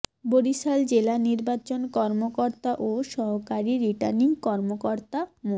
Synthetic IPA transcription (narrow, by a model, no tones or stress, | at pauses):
boɾiʃald͡ʑelaniɾbat͡ɕonkɔɾmokoɾt̪aʔoʃɔɦokaɾiɾiʈaɾniŋkɔɾmokoɾt̪amo